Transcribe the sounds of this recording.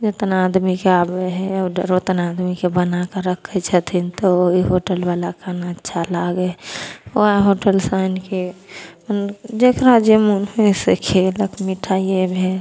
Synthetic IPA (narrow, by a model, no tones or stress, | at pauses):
d͡ʒot̪ənaːd̪mikeabeɦɛɖəɾot̪ənaːd̪mikebənakəɾəkʰːet͡ʃʰət̪ʰint̪ooɦiɦoːʈəlbaːlakʰanaətːʃʰalaɡeoaɦoːʈəlsaɪnkiənd͡ʒekɾad͡ʒemunɦoesekʰeləkmiʈʰaːiebʱe